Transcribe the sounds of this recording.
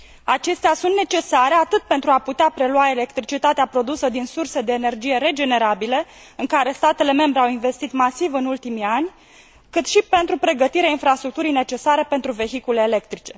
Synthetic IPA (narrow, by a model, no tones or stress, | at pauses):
at͡ʃe̞st̪easunt̪net͡ʃe̞saɾe̞at̪ɨt̪̚pe̞nt̪ɾuaput̪eapɾe̞luae̞le̞kt̪ɾit͡ʃit̪at̪eapɾo̞d̪usəd̪insurse̞d̪e̞ːne̞rd͡ʒije̞ɾe̞d͡ʒe̞ne̞ɾabile̞ | ɨŋkaɾe̞st̪at̪e̞le̞me̞mbɾe̞awinve̞st̪it̪masivɨnult̪imianʲ | kɨt̪ʃipe̞nt̪ɾupɾe̞ɡət̪iɾeainfɾast̪ɾukt̪uɾijne̞t͡ʃe̞saɾe̞pe̞nt̪ɾuve̞çikule̞ːle̞k̚t̪ɾit͡ʃe̞